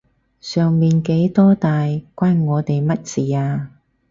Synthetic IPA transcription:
sœː˨ŋmiː˨˩nke˨˥jt̪ɔː˥t̪aː˨jkʷaː˥nŋɔː˨˧t̪e˨jmɐ˥t̚t͡siː˨aː˧

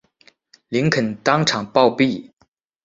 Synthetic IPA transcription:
li˧˥ŋkʰə˨˩nt̪ɑ˥ŋʈ͡ʂʰɑ˨˩ŋpɑ˥˧ʊpi˥˩

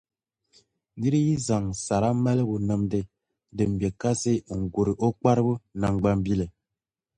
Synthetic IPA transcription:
ni˦ɾi˦ji˦za˨ŋsa˨ɾa˦mɛ˦lə˦bu˨nə˦mde˦ | də˨m̩˨be˨ka˦se˦˨ŋ̩˨ɡo˨ɾi˨ʔɔ˦k͡pa˦ɾbə˦na˨ŋ˨ɡ͡ba˦m˦bi˦le˨

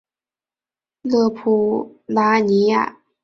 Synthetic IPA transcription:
lɤ˥˧pʰu˥la˥ni˧˥ja̰˥˩

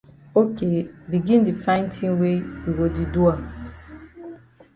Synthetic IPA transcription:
o˦ke˨bi˨ɡĩ˦ndi˨fã˦ɪ̃˦n˦tʰĩ˦ŋwe˦i˨ɾo˨di˨du˦a˨

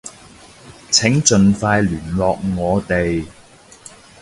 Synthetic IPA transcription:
t͡sʰɪ˨˥ŋt͡ʃɵ˨nfaː˧jlyː˨˩nlɔː˨k̚ŋɔː˨˧t̪e˨j

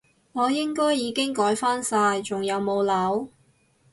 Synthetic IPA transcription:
ŋɔː˨˧jɪ˥ŋkɔː˥jːiː˨˧kɪ˥ŋkɔː˨˥jfaː˥nsaː˧jt͡sʊ˨ŋjɐ˨˧wmo˨˧wlɐ˨˥w

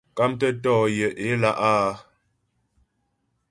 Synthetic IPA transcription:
ka˦mtə˦tɔː˦˨jə˨ʔe˨˦la˦ʔaː˦

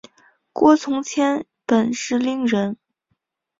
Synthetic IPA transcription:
kwɔ˥t͡sʰʊ˧˥ŋt͡ɕʰjɛ˥n | pə˨˩nʂɻ̩˥˩li˧˥ŋɻə˧˥n

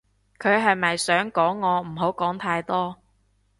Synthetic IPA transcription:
kʰɵ˨˧ɥɦɐ˨jmɐ˨jsœː˨˥ŋkɔː˨˥ŋːɔː˨˧m̩˨˩ɦo˨˥wkɔː˨˥ŋt̪ʰaː˧jt̪ɔː˥

